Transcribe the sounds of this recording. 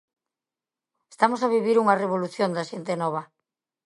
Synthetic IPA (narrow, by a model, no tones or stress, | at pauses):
est̪amosaβiβiɾuŋɐreβ̞oluθjond̪aʃent̪enɔβ̞ɐ